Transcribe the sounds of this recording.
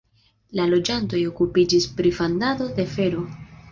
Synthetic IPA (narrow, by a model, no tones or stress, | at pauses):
lalo̞d͡ʒanto̞jo̞kupid͡ʒispɾifandado̞de̞fe̞ɾo̞